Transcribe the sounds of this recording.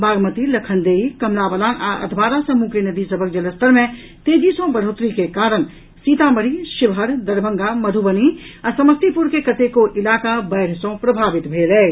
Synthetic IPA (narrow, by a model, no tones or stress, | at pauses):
bʱaːɡmət̪ilɐkʰənd̪eːikɐmlaːbəlaːna̰ʔə̰d̪ʱbaːɾasəmukenəd̪isəbʱək̚d͡ʒɐləst̪əɾmẽ | t̪eːd͡ʒisõbəɾɦoːt̪ɾikekaːɾən | siːt̪aməɾiʃɪʋɦəɾd̪əɾbʱəŋɡamɐd̪ʱubəniasɐməst̪ipuɾkekət̪ekoʔɪlaːkabɛːɾ̤sõpɾɐbʱaːʋɪt̪bʱeːlɛː